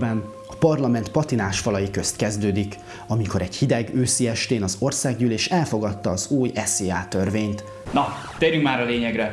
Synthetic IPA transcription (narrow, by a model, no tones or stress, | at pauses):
bɛn | ɒpɒrlɒmɛnt̪pɒt̪inaːʃfɒlɒjikø̞st̪kɛzd̪øːd̪ik | ɒmiko̞ɾɛɟhid̪ɛɡøːsiɛʃt̪eːnɒzo̞rsaːɡɲyleːʃɛlfo̞ɡɒt̪ːɒːzuːjɛseaːt̪ø̞rveːɲt̪ | nɒ | t̪eːɾyŋkmaːɾɒleːɲɛɡrɛ